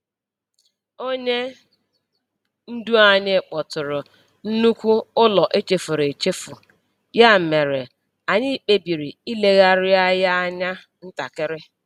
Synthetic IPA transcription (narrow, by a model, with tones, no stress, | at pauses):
o˦ɲe˦ | n̩˦du˦a˨ɲɪ˦˨k͡pɔ˨tʊ˨ɾʊ˨ | n̩˦nu˦kʷu˦ʊ˦lɔ˨ʔe˦t͡ʃe˨fʊ˨ɾe˨t͡ʃe˦fʊ˨ | ja˦˨me˨ɾe˨ | a˨ɲɪ˦˨k͡pe˦bi˨ɾi˨i˦le˦ɣa˦ɾɪ˦a˦ja˦a˦ɲa˦ | n̩˦ta̰˨kɪ˦ɾɪ˦